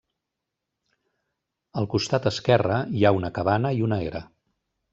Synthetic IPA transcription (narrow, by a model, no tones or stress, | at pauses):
əlˠkust̪at̪əskɛrəiaunəkəβanəiunəeɾə̰